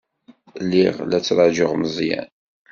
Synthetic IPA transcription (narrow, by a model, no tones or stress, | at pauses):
lːiʁlæt͡sːɾˤɑd͡ʒəʁməzˤjæ̰n